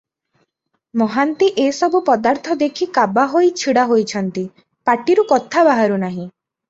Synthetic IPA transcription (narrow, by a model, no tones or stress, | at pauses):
mɔɦant̪iʔesɔbupɔd̪aɾt̪ʰɔd̪ekʰikabaɦojt͡ʃʰiɽaɦojt͡ʃʰɔnt̪i | paʈiɾukɔt̪ʰabaɦaɾunaɦĩ